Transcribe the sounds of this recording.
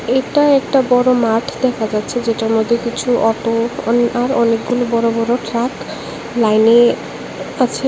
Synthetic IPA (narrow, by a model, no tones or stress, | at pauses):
eʈaɛkʈabɔɾomaʈʰd̪ɛkʰad͡ʑat̪ːɕʰed͡ʑeʈaɾmod̪ʱːekit͡ɕʰuʔɔʈoaɾɔnek̚ɡulobɔɾobɔɾoʈɾak | lajne | at͡ɕʰe